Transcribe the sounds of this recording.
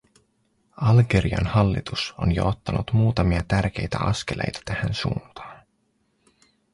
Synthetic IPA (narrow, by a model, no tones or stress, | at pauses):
ɑlɡeɾiɑ̰nhɑlːḭt̪uso̞̰njo̰ot̪ːɑnut̪muːt̪ɑmiɑt̪ærk̟e̞jt̪æ̰ʔɑ̰sk̟elḛjt̪æ̥t̪æhænsṵːnt̪ɑ̥ːn